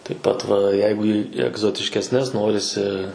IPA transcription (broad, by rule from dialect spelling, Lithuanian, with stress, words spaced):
tɐɪp ˈpɐt ʋɐ ˈjɛɪɡʊ iː ɛɡzoːtʲɪʃʲkʲɛsʲˈnʲɛs ˈnoːrʲɪsʲɪ